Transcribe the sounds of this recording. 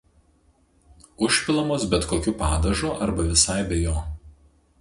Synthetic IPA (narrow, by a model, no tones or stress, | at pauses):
ʊʃʲpʲɪlˠɐmoːsbʲɛt̪koːkʲʊpɑːd̪ɐʒoːʔɐɾbɐʋʲɪsɑɪbʲɛjoː